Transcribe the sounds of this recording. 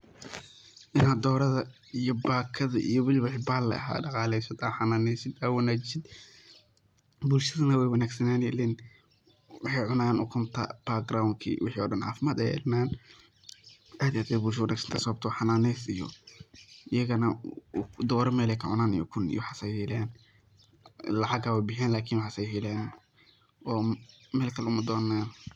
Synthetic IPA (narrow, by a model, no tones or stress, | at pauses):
ʔɪnaːd̪d̪ɔːɾɐðɐ | ijɔbaːkʰɐðɐʔijɔwɪlwɪħibaːlːɐ̰ɐ̰ɦa̰ːɖɑqɑːlɛjsɐd̪aħanaːnɛsɪd̪awɐnaːt͡ʃɪsɪd̪̚ | bulʃɐðɐnɐwɛjwɐnaːɡsɐnaːnjɛ̰lɛn | wɪħɛjʕʊnaːɣɐnʔʊkʰʊmt̪ʰɐ̰b̥aɡɾawŋkʰḭːwɪħiːɔɖɐnʕa̰ːfɪmaːd̪ɛ̰jɛ̰lnaːn | ʔaːd̪ijaːd̪bɛbuːlʃɐwɐnaːɡsɐ̥nt̪ʰɐsɔːb̚t̪ʰɐwħanaːnɛsɪjɔ̰ | ʔɪjɐɣɐnɐ | d̪ɔːɾɔmɛːlɛjkʰɐʕʊ̰naːnḭjɔ̰kʰʊnḭjwħasɛjhɛlɛːn | lɐʕɑɡaːwabɪħɛːnlaːkʰiːnwħasɛjɦɪlɛːn | ɔː | mɛːlkʰɐlʊmɐd̪ɔːnːaːn